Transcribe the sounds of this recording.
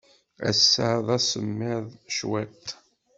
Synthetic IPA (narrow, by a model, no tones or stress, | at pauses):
æ̰sːəʕðˤæsəmːɪðˤʃwæt̪